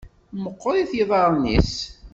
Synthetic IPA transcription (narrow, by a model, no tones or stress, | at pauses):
məqːoɾiθjəðˤɑɾˤnːḭs